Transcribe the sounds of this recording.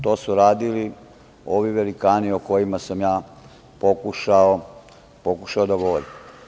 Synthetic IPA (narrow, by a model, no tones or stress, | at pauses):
t̪o̞ːsuɾaːd̪ili | oʋiʋe̞likaːnioko̞jimasamjaː | po̞kuʃao | pokuʃaod̪aɡo̞ʋoɾim